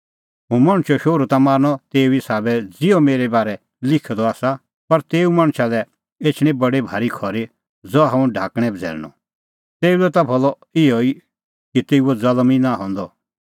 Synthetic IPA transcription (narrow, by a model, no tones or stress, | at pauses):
ɦũmɐ̃ɽ̃t͡ʃɔʃoːɾut̪amaːɾñɔt̪eːuisaːbɛd͡zɪɔmeːɾɛbaːɾɛ | lɪkʰɛd̪ɔaːsa | pɐɾt̪eːumãɽ̃ʃalɛ | eːt͡ʃʰɽ̃ĩbɐɽebʱa̰ːɾikʰɔɾe | d͡zɔɦãũɖʱaːkɽ̃ɛ̃bd͡zʱɛ̰ːɾñɔ̰ | t̪eːulɛt̪abʰʱɔlɔ | ɪɔi | kit̪eːuɔd͡zɐlminaɦɔ̃nd̪ɔ